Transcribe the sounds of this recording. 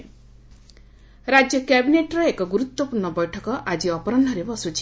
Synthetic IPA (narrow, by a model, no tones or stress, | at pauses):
ɾad͡zjʌkjabineʈɾʌekoɡuɾut̪wʌpuɾnʌbʌjʈʰʌkɔʔad͡ziʌpɔɾʌnd̪ʱʌɾebʌsut͡ʃʰi̥